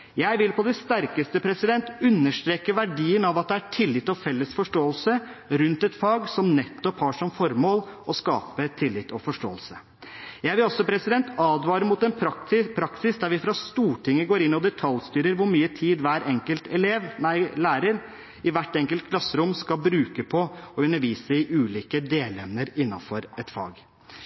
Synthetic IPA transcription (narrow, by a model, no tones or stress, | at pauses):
jæɪʋɪlpʰɔd̪ɛst̪æɾkəst̪əpʰɾɛsɪd̪ɛnt̪ʉnːəʂʈ̪ɾeːkəʋæɖiːənɑʋɑt̪̚d̪ɛæʈʰɪlːɪt̪ːɔfɛlːəsfɔʂʈoːəlsəɾʉnt̪ɛt̪fɑːɡsɔmnɛt̪ːɔphɑːʂɔmfɔɾmoːlɔskɑ̰ːpət̪ʰɪlːɪt̪ːɔfɔʂʈo̰ːəlsə | jæɪʋɪlɔsːɔpʰɾɛsɪd̪ɛnt̪ɑːd̪ʋɑːɾəmʊt̪ɛnpʰɾɑɪpʰɾɑksɪsd̪æɾʋɪfɾɑst̪uːʈɪŋːəɡoːɾɪnːɔd̪ɛt̪ʰɑljst̪yːɾəɾʋʊɾmyːət̪ʰiːd̪ʋæːɾɛŋkəlt̪ʰɛleːʋnæɪlæːɾəɾ | ɪʋæʈːɛŋkəlt̪̚kʰlɑsːəɾʊmskɑlbɾʉːkəpʰɔɔʉnːəɾʋiːsəɪʔʉːliːkəd̪eːlɛmnəɾɪnːɑnfɔɾɛt̪fɑ̰ːɡ